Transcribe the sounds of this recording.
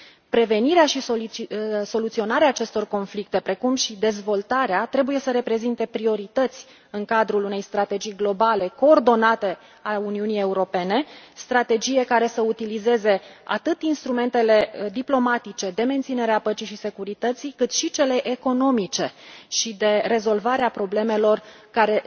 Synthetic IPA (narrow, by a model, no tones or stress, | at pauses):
pɾe̞ve̞niɾeaʃio | so̞lut̪sio̞naɾeaːt͡ʃe̞st̪o̞rko̞nflik̚t̪e̞pɾe̞kumʃid̪e̞zvo̞lt̪aɾeat̪ɾe̞buje̞səɾe̞pɾe̞zint̪e̞pɾio̞ɾit̪ət̪sʲ | ɨŋkad̪ɾulune̞jst̪ɾat̪e̞d͡ʒijɡlo̞bale̞ko̞ːrd̪o̞nat̪e̞ | auniunije̞uɾo̞pe̞ne̞st̪ɾat̪e̞d͡ʒije̞kaɾe̞səut̪ilize̞ze̞a̰t̪ɨt̪inst̪ɾume̞nt̪e̞le̞d̪iplo̞mat̪it͡ʃe̞d̪e̞ment̪sine̞ɾeapət͡ʃiʃise̞kuɾit̪ət̪sikɨt̪ʃit͡ʃele̞ʔeko̞no̞mit͡ʃe̞ʃid̪e̞re̞zo̞lvaɾeapɾo̞ble̞me̞lo̞rkaɾe̞